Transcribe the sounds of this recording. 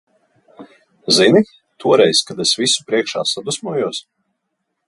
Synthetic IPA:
zini | t̪ʰuɔɾɛjskad̪esvisu̥pɾiɛkʃa̰ːsad̪usmuɔjuɔs

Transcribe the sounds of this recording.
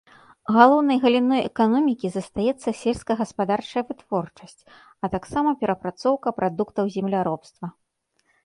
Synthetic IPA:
ɣalˠɔwn̪ɐjɣɐlʲinɔjɛkanɔmʲikʲizɐst̪ajɛt̪sːɐsʲɛlʲskɐɣɐspad̪art͡ʂɐjɐvɨt̪vɔrt͡ʂɐsʲt͡sʲ | ɐt̪aksamɐpʲɛɾɐpɾat̪sɔwkɐpɾʔad̪ukt̪ɐwzʲɛmlʲaɾɔpst̪vɐ

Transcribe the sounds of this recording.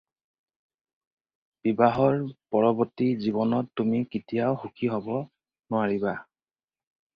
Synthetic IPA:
b̥ibaɦɔɹpɔɹɔbɔtiziβɔnɔtːumikitijaʊxukʰiɦɔbɔ | nʊaɹiba

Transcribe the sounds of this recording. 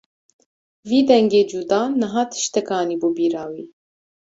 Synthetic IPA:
viːd̪ɛŋɡeːd͡ʒuːd̪ɑːnɨɦɑːt̪ʰɨ̥ʃt̪ɛkɑːniːbuːbiːɾɑːwiː

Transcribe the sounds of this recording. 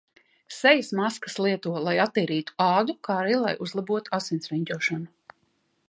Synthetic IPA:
sɛjasmaskḁslˠiɛt̪uɔlˠajat̪ːiːɾiːt̪u̥ɑːd̪ukaːɾiːlˠa̰juzlˠabuɔt̪u̥asinsvɛɲd̪uɔʃanu

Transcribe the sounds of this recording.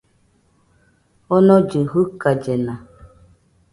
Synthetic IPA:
ɔnɔd͡ʒiɦukad͡ʒena

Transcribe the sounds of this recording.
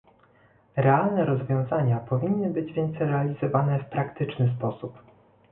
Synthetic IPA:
ɾɛalnɛɾɔzvʲjɔ̃w̃zaɲapɔvʲinːɘbɘd͡ʑvʲjɛnt̪sɛjɾɛalʲizɔvanɛfpɾakt̪ɘt͡ʂnɘspɔsup

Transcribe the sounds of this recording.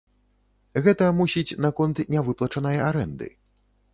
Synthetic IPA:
ɣɛt̪ɐmusʲit͡sʲnakɔnt̪nʲavɨplˠɐt͡ʂɐnɐjɐaɾɛnd̪ɨ̰

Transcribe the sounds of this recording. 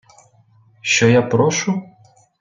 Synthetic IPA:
ʃt͡ʃɔjapɾɔʃʊ

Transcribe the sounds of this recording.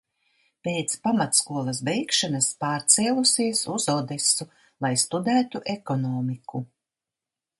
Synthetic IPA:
peːt̪spamat̪skuɔlˠɐsbɛjkʃanaspaːɾt̪sɛɛlˠusiɛsuzɔd̪esu | lˠajst̪ud̪æːt̪uʔɛkɔnɔːmiku

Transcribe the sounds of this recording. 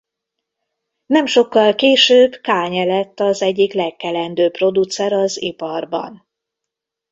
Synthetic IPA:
nɛmʃo̞kːɒlkeːʃøːbkaːɲɛlɛt̪ːɒzɛɟːiklɛkːɛlɛnd̪øːpro̞d̪ut̪sɛɾɒzipɒrbɒ̰n

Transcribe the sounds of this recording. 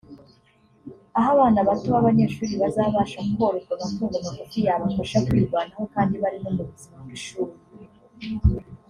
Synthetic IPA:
aɦaβaːnaβatuβaβaɲe̞ːʃuːɾiβazaβaːʃamuβo̞ːɾokonafuːŋɡomokofijaβamaʃakwiːɾɡwaːnaho̞kaːndiβaɾimomuβuzimaŋwiʃuːɾi

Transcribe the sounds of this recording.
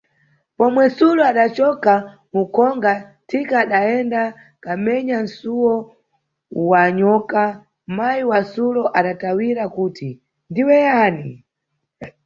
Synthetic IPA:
pɔmwɛsulɔaɗat͡ʃɔka | mukʰɔŋɡatʰikaːɗaɛnda | kamɛɲan̩suwɔ | waɲɔːka | majiwasulɔʔaɗatawiɾakuːti | ndiwɛjanḭ

